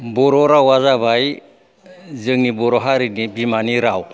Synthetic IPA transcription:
bɔɾɔɾawazaβaj | zɯŋnibɔɾɔɦaɾinibimaniɾaw

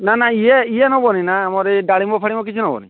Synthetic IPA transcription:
nanaiɛiɛnɔbɔninaːmɔɾɛɖaɭimbɔpʰaɽimɔk̬it͡ʃʰunɔbɔ̰nḭ

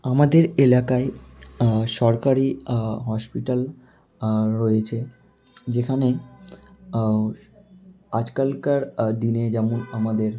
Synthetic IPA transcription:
amad̪eɾelakae | ʃɔɾkaɾiɦɔʃpiʈal | ɾoet͡ɕʰe | d͡ʑekʰane | ad͡ʑkalkaɾd̪ined͡ʑɛmonamad̪eɾ

